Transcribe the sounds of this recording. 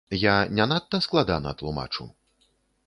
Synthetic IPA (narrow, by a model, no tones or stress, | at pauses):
janʲanat̪ːɐsklˠad̪anɐ̰t̪lˠuma̰t͡ʂṵ